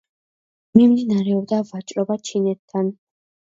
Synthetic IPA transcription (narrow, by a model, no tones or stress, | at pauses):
mimd̪inaɾɛɔb̚d̪avat͡ʃʼɾɔbat͡ʃʰinɛt̪ʰːan